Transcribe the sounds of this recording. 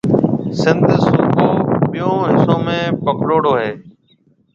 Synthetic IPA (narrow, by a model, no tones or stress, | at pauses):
sɪnd̪suːkoːɓɪjõːɦɪsoːmẽːpəkʰloːɽoːɦeː